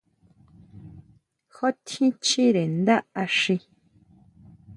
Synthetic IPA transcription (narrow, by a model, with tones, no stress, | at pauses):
xo˦t̪ʰĩ˦t͡ʃi˦ɾe˨nd̪a˦ʔa˧ʂĩ˧